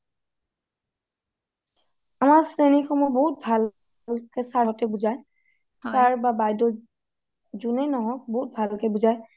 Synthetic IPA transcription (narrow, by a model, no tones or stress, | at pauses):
amaɹsɹenixʰɔmɔbɔɦut̚bʱal | lkɛsaɦɔtɛbuzaj | taɹbabajdɔ | zunɛnɔɦɔboɦut̚bʱalkɛbuzaj